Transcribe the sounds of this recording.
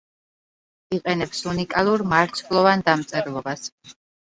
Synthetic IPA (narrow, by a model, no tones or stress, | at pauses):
iqʼɛnɛpsunikʼalˠuɾmaɾt̪sʰlˠɔvand̪amt̪sʼɛɾlˠɔbas